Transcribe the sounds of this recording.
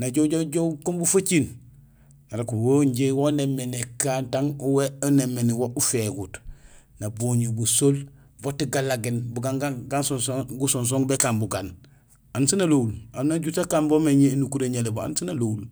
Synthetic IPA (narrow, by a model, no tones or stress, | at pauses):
naɟoɟoɟokombufat͡ʃin | naɾakuwoɲɟewonemːenekaːntaŋuweonemːeniwoʔufeɡut | nabuɲibusol | votiɡalaɡinbuɡaŋɡaŋɡansonsoɡusons̬oŋbekambuɡan | ansinaloulanaɟutakanbomeɲenukuɾeɲelebaa̰nsinaloul